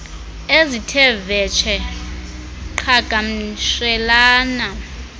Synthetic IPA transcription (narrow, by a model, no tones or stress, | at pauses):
ezitʰɛvɛt͡ʃʰɛ | ǃʰaɡ̥ʱamiʃɛlaːna